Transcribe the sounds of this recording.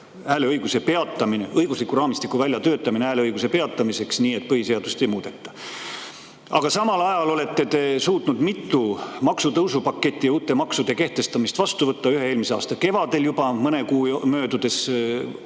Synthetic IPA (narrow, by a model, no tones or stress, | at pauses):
æːle̞ɤjɡ̥use̞pe̞ɑt̪ːˑɑmine̞ʔɤjɡ̥uslikːuɾɑːmist̪ikːˑuvælʲjɑt̪ø̞ːt̪ːˑɑmineæːleɤjɡ̥use̞pe̞ɑt̪ːˑɑmise̞ksniːet̪̚ːpɤhise̞ɑd̪̥ust̪e̞jmuːd̪̥e̞t̪ˑːɑ̥ | ɑ̰ɡ̥ɑsɑmɑlɑjɑlo̞le̞t̪ːe̞t̪e̞suːt̪nud̪mit̪ːumɑksut̪ɤwsupɑkːˑe̞t̪ʲːˑijuːt̪ːˑe̞mɑksud̪e̞ke̞ht̪e̞st̪ɑmist̪vɑst̪uvɤt̪ːɑyɦe̞e̞ːlmise̞ɑ̰ːst̪ɑke̞vɑd̪e̞ljubɑmɤne̞kuːmø̞ːd̪ud̪̥e̞s